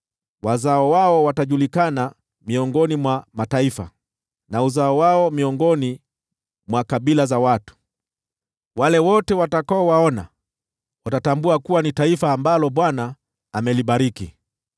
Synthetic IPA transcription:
wazaɔwaɔwataʄulikana | miɔŋɡɔnimwamataifa̰ | nauzaɔwaɔmiɔŋɡɔni | mwakaɓilazawatu̥ | walɛwɔtɛwatakaɔwaɔna̰ | watatambuakuwanitaifaːmbalɔɓwanaː | mɛliɓaɾikḭ

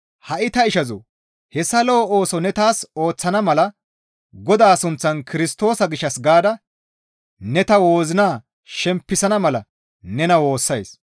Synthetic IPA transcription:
hɐʔɪt̪ɐɪʃɐzʊ̰ː | hɛsːɐlo̞ːo̞ːsɔnɛt̪aːso̞ːt͡sːɐnɐmɐlɐ | ɡɔd̪aːsʊnt͡sːɐnkɪɾɪst̪o̞ːsɐɡɪʃːɐsɡaːd̪ɐ | nɛt̪ɐwo̞ːzɪnaː | ʃɛmpːɪsɐnɐmɐlɐ | nɛnɐwo̞ːsːɐjs

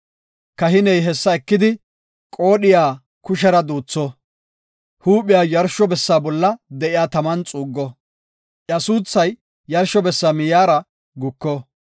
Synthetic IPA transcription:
kɐɦɪnɛjɦɛsːɐɛkːɪd̪ɪ | kʼo̞ːɗɪjaː | kʊʃ̬ɛɾɐd̪uːt͡sːɔ | huːpːɪjaːjɐɾʃɔbɛsːaːbɔlːɐd̪ɛʔɪjaːt̪ɐmɐnt͡sʼuːɡːɔ | ʔjɐsuːt͡sːɐjː | ɐɾʃɔbɛsːaːmɪjaːɾɐ | ɡʊkːɔ

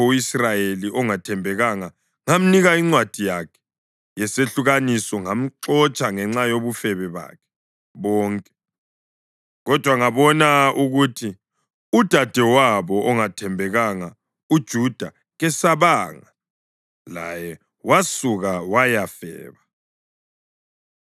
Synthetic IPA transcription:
uisrajeliʔɔŋatʰɛmbʱɛɣaŋa | ŋam̩niɣaiŋ͡ǀwad̥ʱijakʰɛ̥ | jɛseɬuɣanisɔŋam̩ǁɔt͡ʃʼaŋɛŋ͡ǁajoβufɛβɛβa̰kʰɛ̥ | βɔːŋkʼɛ̥ | ɣɔd̥ʱwaŋaβɔnauɣuːtʰi | ud̥ʱad̥ʱɛwaβɔʔɔŋatʰɛmbʱɛɣaŋa | ud̥ʒ̥ʱud̥ʱa̰ | ɣɛsaβaŋa | la̰jɛ | wasuɣawajafɛ̰ːβa

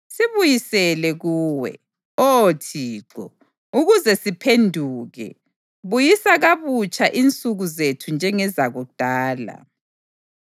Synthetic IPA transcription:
siβujisɛlɛɣuːwɛ̰ | otʰiːǁɔ̰ | uɣuzɛsipʰendʱuːɣɛ̰ | βujisaɣaβut͡ʃʰʼaʔint͡sʼuɣuzetʰund͡ʒʱɛŋɛzaɣud̥ʱaːla̰

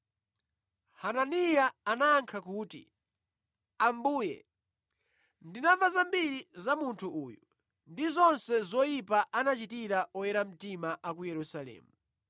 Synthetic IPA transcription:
hananijaanaːŋkʰakuːtḭ | ambuːjɛ̰ | ndinavazambiɾizamuntʰuʔuːjɔ | ndizɔnsɛzɔjipaʔanat͡ʃitiɾaɔjɛɾam̩timaʔak̬ujɛɾusalɛ̰ːmu

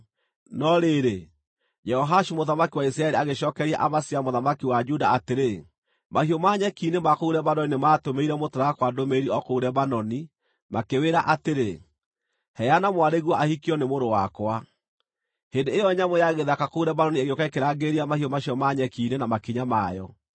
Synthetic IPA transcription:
nɔɾeɾe | d͡ʒɛhɔɦaʃumoðamakiwais̬ɾaɛɾiaɣeʃɔkɛɾia̰ʔamasiamoðamakiwad͡ʒuda̰ateɾe | mahiɔmaɲɛkiːnemakouɾɛbanɔninematomeiɾɛmotaɾaɣakwadomeɾiɔkouɾɛbanɔni | makeweːɾaʔateɾe | hɛanamwaɾeɣwaʔahikiɔnemoɾowakwa | hendeːjɔɲamwɛjaɣeðakakouɾɛbanɔnieɣokaekeɾaːɡeɾiamahiɔmaʃiɔmaɲɛkiːnenamakiɲamajɔ̰

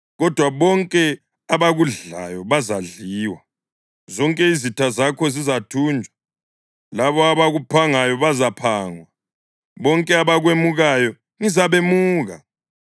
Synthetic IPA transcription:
ɣɔd̥ʱwaβɔŋkʼɛ | aβaɣuɮa̰jɔβazaɮiːwa | zɔŋkʼɛizitʰazakʰɔzizatʰuːnd͡ʒʱwa | laβɔaβaɣupʰaŋajɔβazapʰaːŋwa | βɔŋkʼɛaβaɣwemuɣajɔ | ŋizaβemuːɣa

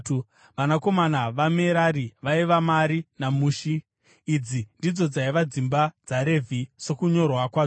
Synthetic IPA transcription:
ʋanako̞manaʋameɾaɾiʋaiʋamaɾinamuːʃiː | d͡zindid͡zo̞d͡zaiʋad͡zimbad͡zaɾe̞vʱiso̞kuɲo̞rwakwaː

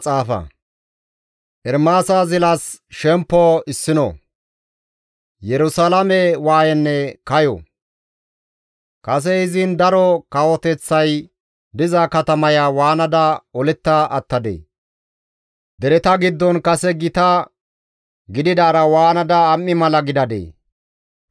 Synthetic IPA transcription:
t͡sʼaːfɐ̰ | ʔɛɾmaːsazɪlɐsʃɛmpːɔɪsːɪnɔ̰ | jɛɾʊsalɐmɛwaːjɛnːɛkɐjɔ̰ | kɐs̬ɛɪzɪnd̪ɐɾɔkɐwɔt̪ɛt͡sːɐj | d̪ɪzɐkɐt̪ɐmɐjawaːnɐd̪ɐɔlɪt̪ːɐʔɐt̪ːɐd̪ḛː | d̪ɛɾɛt̪ɐɡɪd̪ːɔnkɐsɛɡɪt̪ɐ | ɡɪd̪ɪd̪ɐːɾɐwaːnɐd̪ɐːmːɪmɐlɐɡɪd̪ɐd̪ḛː

